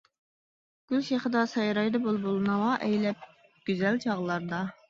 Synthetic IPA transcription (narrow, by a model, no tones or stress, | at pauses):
ɡ̥ʲylʃeχəd̪ɑsɑjɾɑjd̪ɨbolˠbolˠɨnɨwɑʔɛjlɛp̚ | ɡ̥ʲyzɛlt͡ʃʰɑʁlˠɑɾd̪ɑ